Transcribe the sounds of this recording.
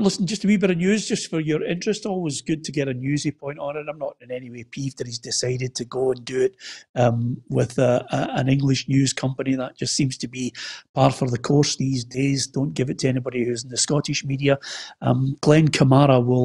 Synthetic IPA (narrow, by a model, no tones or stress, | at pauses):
lˠɪsn̩d͡ʒʌstʰəbibɛɾənjʉːzd͡ʒʌstfə˞jə˞ɪ̃nt͡ʃɹ̥ɨstɔlˠwɪzɡʉd̚tʰəɡɛɾənjʉzipʰɔ̃ɪ̃nʔn̩ɪtãɪ̃mnəʔɪ̃nɛniwepʰivdə˞izdɪsaɪɾɪd̚tʰəɡoə̃ndəɪʔʌ̃mwɪðəəə̃nɪ̃ŋɡlˠɪʃnjʉːz̥kʰʌ̃mpəniðəʔd̥ʒ̥ʌstsĩmz̥tʰəbipʰaɹtfə˞ðəkʰɔɹsðizdezdõnɡ̥ɪvɨtʰəɛñɪbɔɾihʉz̃n̩ðəskɔʔɪʃmidiəʌ̰mɡ̥lˠɛ̃nkʰəmaɹəwɪlˠ